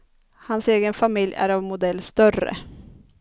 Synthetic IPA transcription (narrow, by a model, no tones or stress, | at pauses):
hanseːɡənfamɪljæ̰ɾɑvmʊd̪ɛlːst̪œrə̰